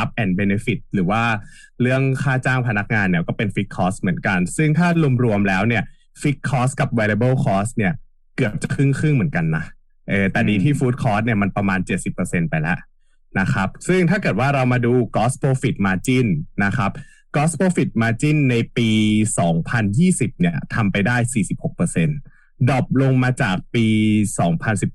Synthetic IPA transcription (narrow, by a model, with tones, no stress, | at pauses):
a˦˥p̚ʔɛː˨˩n̚be˧ne˧˥fi˨˩t̪̚ɾɯː˩˦waː˥˩ɾɯ˥˩əŋkʰaː˥˩t͡ɕaː˥˩ŋpʰa˧na˦˥k̚ŋaː˧nːi˧˥˩kɔː˥˩pe˧nfi˦˥k̚kʰːɔː˦˥smɯ˩˦ənka˧nsɯ˥˩ŋt̪ʰaː˥˩lu˧əmɾu˧əmlɛː˦˥wni˥˩ə | fi˦˥k̪̚kʰːɔː˦˥ska˨˩p̚wɛː˧li˧bɤː˥˩kʰɔː˦˥s̚ni˥˩ɐ | kɯ˨˩əp̚t͡ɕa˨˩kʰɯ˥˩ŋkʰɯ˥˩ŋmɯ˩˦ənka˧nːa˦˥ | ʔɤː˧˩t̪ɛː˨˩diː˧t̪ʰiː˥˩fuː˦˥t̪̚kʰɔː˦˥s̚ni˥˩ɐma˧npɾa˧maː˧nt͡ɕe˨˩t̪̚si˨˩pːɤ˧se˧npa˧jlɛ̰˦˥ʔ | na˦˥kʰa˦˥p̚sɯ˥˩ŋt̪ʰaː˥˩kɤː˨˩t̪̚waː˥˩ɾa˧wmaː˧duː˧kɔː˦˥spʰoː˧fi˨˩t̪̚maː˧t͡ɕi˥˩nːa˦˥kʰa˦˥p̚ | kɔː˦˥spʰoː˧fi˨˩t̪̚maː˧t͡ɕi˥˩nːa˧jpiː˧sɔː˩˦ŋpʰa˧njiː˥˩si˨˩p̚ni˥˩ɐt̪ʰa˧mpa˧jdaː˥˩jsiː˨˩si˨˩p̚ho˨˩k̚pɤː˧se˧n | dɔː˨˩p̚lo˧ŋmaː˧t͡ɕaː˨˩k̚piː˧sɔː˩˦ŋpʰa˧nsi˨˩p̚